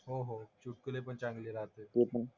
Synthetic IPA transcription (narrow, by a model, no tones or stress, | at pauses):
ɦoɦot͡ɕuʈ̚kəlepəɳt͡ɕãŋɡleɾaɦt̪et̪epən